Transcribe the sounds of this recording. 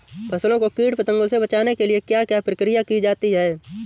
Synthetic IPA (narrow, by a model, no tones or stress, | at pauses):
pʰɐslõkokiːɽpət̪ə̃ŋɡõsebɐt͡ʃaːnekeliekjakjapɾəkɾijakid͡ʒaːt̪iɦɛː